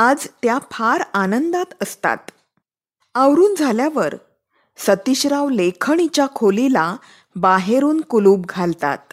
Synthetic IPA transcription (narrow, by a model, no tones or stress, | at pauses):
ad͡zt̪japʰaɾanənd̪at̪əst̪a̰t̪ | awɾuːnd͡zʱaljaʋəɾ | sət̪iɕɾaʋlekʰəɳ̃it͡ɕjakʰolila | baɦeɾuːnkuluːb̚ɡʱalt̪a̰t̪̚